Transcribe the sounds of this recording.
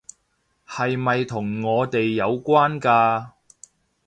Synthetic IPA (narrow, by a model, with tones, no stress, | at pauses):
hɐ˨jmɐ˨jt̪ʰʊ˨˩ŋːɔː˨˧t̪e˨jːɐ˨˧wkʷaː˥nkaː˧